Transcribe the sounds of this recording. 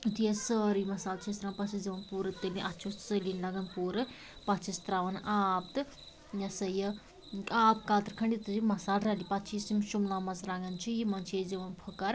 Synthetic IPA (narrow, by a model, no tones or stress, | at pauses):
t̪ijesəːɾimɐsaːlt͡ʃʰiest̪ɾaːmpɐt͡ʃʰiziʋɐnpuːɾɨt̪eliʔɐtt͡ʃʰosəlinlɐɡɐnpuːɾɨ | pɐt͡ʃʰist̪ɾaːʋɐnaːp̚t̪ɨ | jɐsɐjə | aːpkaːt̪ɾkʰɐɳɖit̪ɨzimɐsaːlɾalipɐt̪t͡ʃʰisimʃumlaːmɐsɾaɡɐnt͡ʃʰijimɐnt͡ʃʰjeziʋɐnpʰukɐɾ